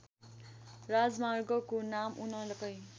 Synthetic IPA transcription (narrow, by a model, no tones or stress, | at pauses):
rad͡zmarɡʌkonamunʌlʌkʌj